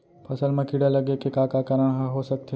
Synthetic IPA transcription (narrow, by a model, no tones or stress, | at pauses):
pʰɐsəlmẽkiɽalɐɡekekakakəɾəɳ̃ɦaɦosɐk̚t̪ʰe